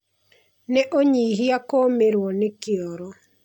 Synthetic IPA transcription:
neʔoɲiɦiakomeɾwɔnekiɔɾɔ

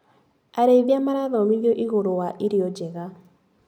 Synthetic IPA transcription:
aɾeiðjamaɾaðɔmiɣjɔʔiɣoɾowaʔiɾiɔd͡ʒɛɣa

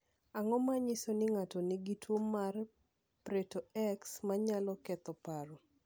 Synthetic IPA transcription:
aŋɔmaɲɪsonɪŋatɔnɪɡitwomːar | pɾetoɛksmaɲalɔkɛt̪ɔpaɾo

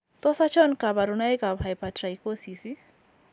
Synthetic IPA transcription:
t̪ɔsat͡ʃɔnkabaɾunajkabʱajpatɾajkosisi

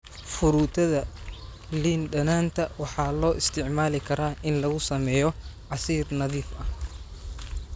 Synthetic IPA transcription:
fʊɾuːt̪ʰɐðɐ | liːnɖɐnaːnt̪ʰɐwɑħɑːlɔːʔɪst̪ʰɪʕmaːlɪkʰɐɾaːʔɪnlɐɣʊsɐmɛːjɔʕɑsiːrnɐðiːfɐh

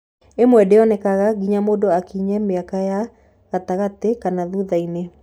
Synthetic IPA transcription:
emwɛdeɔnɛkaɣaɡiɲamoːdoakiɲɛmeakaja | ɣataɣatekanaðuðaine

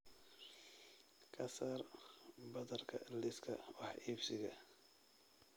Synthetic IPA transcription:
kʰɐsɐrbɐðɐrkʰɐlɪskʰɐ̰wɑħiːbsɪɣɐ

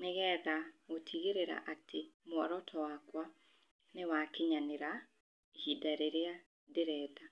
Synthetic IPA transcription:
neɣɛːðaotʰiɣeɾeɾa̰ʔatʰemwɔɾɔtʰɔwakwa | newakeɲaneɾa | hidaɾeɾea | deɾɛːda

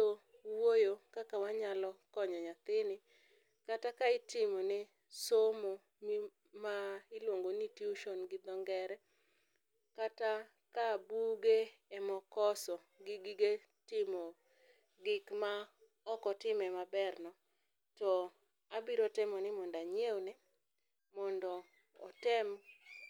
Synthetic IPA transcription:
o | wojokakawaɲalɔkɔɲɔɲat̪ɪnɪ | katakaɪtɪmɔnɪ | somo | mi | maɪlwoŋɡonitiuʃɔnɡɪd̪ɔŋɡɛɾɛ | kata | kabuɡe | ɛmɔkɔsɔ | ɡɪɡɪɡe | tɪmɔ | ɡɪkma | ɔkɔtɪmɛmabɛrnɔ | tɔ | abiɾɔtɛmɔnɪmɔndaɲeonɛ | mɔndɔ̰ː | tɛmɔ

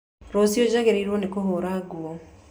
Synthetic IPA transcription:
ɾosiod͡ʒaɣeɾeiɾwɔnekoɦoɾaɡuo

